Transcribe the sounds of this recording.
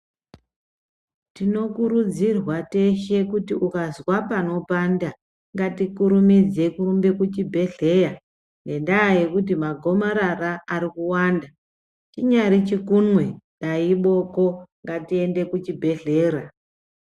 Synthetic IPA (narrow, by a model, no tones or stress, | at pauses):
tino̞kuɾud͡zirwate̞ʃe̞kutiʔukazwapano̞panda | ŋɡatikuɾumid͡ze̞kurumbe̞kut͡ʃibʱe̞ɮe̞ja | nɡe̞ndaːje̞kut̬imaɡʱo̞maɾaraːɾikuwaːnda | t͡ʃiɲaɾit͡ʃikunwendaiɓo̞ko̞ŋɡatie̞nde̞kut͡ʃibʱe̞ɮe̞ːɾa